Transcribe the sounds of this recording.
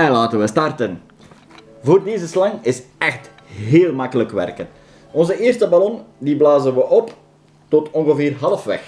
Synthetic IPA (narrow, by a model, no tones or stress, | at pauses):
ɛjlaːtənʋəstɑrtən | voːrdeːzəslɑŋɪsɛxt | ɦeːlˠmɑkələkʋɛ̰rkən | ɔnzəɪːrstəbalɔndiblaːzənʋəʔɔp | tɔtɔŋɣəveːrɦɑlˠəfʋɛ̰x